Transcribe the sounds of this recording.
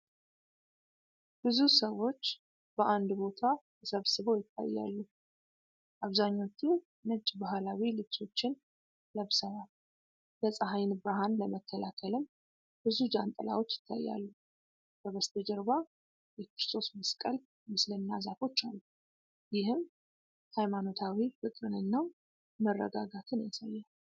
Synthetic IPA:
b̥ɨzusəwo̞t͡ʃː | b̥əʔand̪bo̞t̪ʰat̪ʰəsəβsɨβowjɪt̪ʰːa̰jːa̰lːu | ʔaβzaɲːo̞t͡ʃːu | nɨt͡ʃʼbaɦlawilɨt͡ʃʰʼo̞t͡ʃːɪn | ləβsəβa | bəsʼəɦajnbɾaɦanləməkʰːəlakʰəlɨm | b̥ɨzud͡ʒant̪ʼəla̰wo̞t͡ʃːjɪ̥t̪ʰːa̰jːa̰lːu | kʰəβəst̪ʰəd͡ʒəɾba | jɛkɾɨst̪ʰo̞sməskʼəl | mɨslɨnːazafo̞t͡ʃːalːu | jɪhɨm | hajmano̞t̪ʰawifɨkʼɾɨnɨnːa | mərːə̰ɡaɡat̪ʰɨnjasajːal

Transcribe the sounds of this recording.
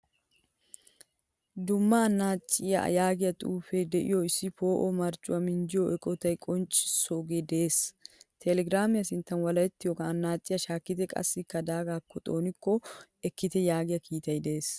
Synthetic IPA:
d̪ʊmːɐːnːaːt͡ʃʼːɪjɐ̰jaːɡɪjɐt̪ʼuːfed̪ɛʔɪ̰jɔɪsːɪfo̞ːʔɔmɐɾt͡ʃʼʊɐmɪnd͡ʒɪjɔʔɛkʼɔt̪ɐjkʼɔnt͡ʃʼɪ̥sɔɡɛd̪eːst̪ʰɛlɛɡɾaːmɪjɐsɪnt̪ːɐnwɐlɐjɛt̪ːɪjoɔkɐːnːaːt͡ʃʼːɪjɐʃaːkːɪt̪ɛkʼɐ̰sːɪkːɐd̪aːɡaːkːɔt̪ʼo̞ːnɪkːɔɛkːɪt̪ɛjaːɡɪjɐkʰiːt̪ɐjd̪ɛeːs

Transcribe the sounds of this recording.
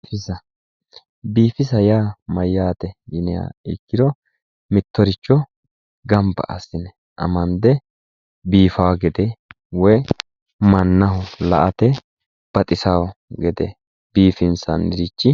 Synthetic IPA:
fɪsɐ | biːfɪsɐjaːmɐjːaːt̪ɛɡɪnɪja̰ːɪkːɪd̪ɔ | mɪt̪ːɔɾɪt͡ʃːɔ | ɡɐmbɐ̰ʔɐsːɪnɛ | ʔɐ̰mɐnd̪ɛ | biːfɐwɐɡɛd̪ɛ | wɔj | mɐnːɐɦɔlɐ̰ʔɐt̪ɛ | b̥ɐt̪ʼɪsawɔɡɛd̪ɛ̰ | b̥iːfɪnsɐ̰nːɪɾɪt͡ʃːɪ

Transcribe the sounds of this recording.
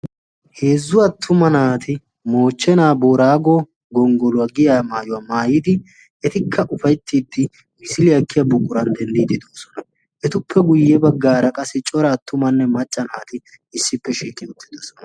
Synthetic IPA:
heːzːʊwɐt̪ʰːʊmɐnaːt̪ɪ | mo̞ːt͡ʃːɛnaːbo̞ːɾaːɡoː | ɡɔŋɡɔlʊwɐɡɪjaːmaːjʊwamaːjɪd̪ɪ | ɛt̪ɪkʰːɐʔʊfɐjt̪ːiːd̪ːɪ | mɪsɪlɪɐkːɪjɐbʊkʼʊɾɐnd̪ɛnd̪iːd̪ɪd̪oːsɔnɐ | ʔɛt̪ʊpʰːɛɡʊjːɛbɐɡːaːɾɐkʼɐsɪt͡ʃʼɔɾɐːt̪ːʊmɐnːɛmɐt͡ʃʼːɐnaːt̪ɪ | ɪsːɪpːɛʃiːkʼːɪʊt̪ːɪ̥d̪oːsɔ̥nɐ

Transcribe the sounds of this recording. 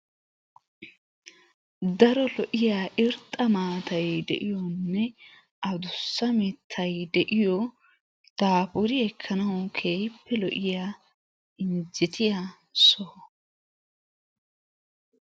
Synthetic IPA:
d̪ɐɾɔlɔʔɪjaːʔɪɾt̪ʼːɐmaːt̪ɐjd̪ɛʔɪjɔnːɛ | ʔɐd̪ʊsːɐmɪt̪ʰːɐjd̪ɛʔɪjɔ | t̪aːpʊɾɪɛkʰːɐnɐʊkʰeːjpːɛlɔʔɪjaː | ɪnd͡ʒɪt̪ɪja | sɔh

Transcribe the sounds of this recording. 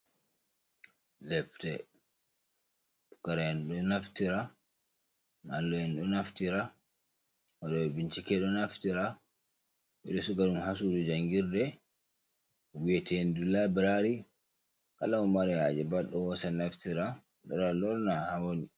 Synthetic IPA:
lɛptɛ | pukaɾajɛnɗɔnaftiɾa | na̰lːɔɛnɗɔnaftiɾa | waɗɔɛbint͡ʃikɛɗɔnaftiɾa | ɓɛɗɔsuɡaɗumhas̬uɗud͡ʒaŋɡiɾdɛ | wiɛtɛndulabɛɾaɾi | kalaɔmaɾɛhad͡ʒɛbaɗɔwɔsanaftiɾa | ɗɔ̰ɗalɔɾnahawoni

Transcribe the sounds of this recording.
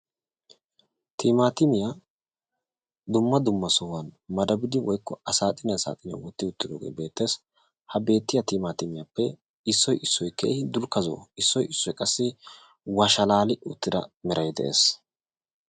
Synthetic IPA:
t̪ʰiːmaːt̪ɪmɪja | d̪ʊmːɐd̪ʊmːɐsɔwɐnmɐd̪ɐbɪd̪ɪwɔjkːɔɐsaːt̪ʼɪnɛsa̰ːt̪ʼɪnɐ̰wɔt̪ːɪʊt̪ːɪd̪oːɡḛːbe̞ːt̪ːe̞ːs | hɐbe̞ːt̪ːɪjɐt̪iːmaːt̪ɪmɪjapːɛ | ɪsːɔjɪsːɔjkʰɛʔɛd̪ʊlkɐzo̰ːɪsːɔjɪsːɔjkʼɐsːɪ | wɐʃɐlaːlɪʔʊt̪ːɪd̪ɐ̰mɛɾɐjd̪ɛʔe̞̰ːs

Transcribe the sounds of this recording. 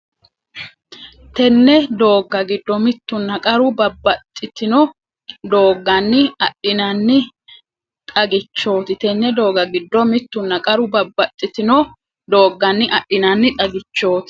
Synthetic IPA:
t̪ɛnːɛd̪o̞ːɡːɐɡɪd̪ːɔmɪt̪ːʊnːɐkʼɐɾʊbɐbːɐt̪ʼːɪt̪ɪnɔ | d̪o̞ːɡːɐnːɪɐɗɪnɐnːɪ | t̪ʼɐɡɪt͡ʃːo̞ːt̪ɪt̪ɛnːɛd̪o̞ːɡɐɡɪd̪ːɔmɪt̪ːʊnːɐkʼɐɾʊbɐbːɐt̪ʼːɪt̪ɪnɔ | d̪o̞ːɡːɐnːɪʔɐʔɪnɐnːɪt̪ʼɐɡɪt͡ʃːo̞ːt̪

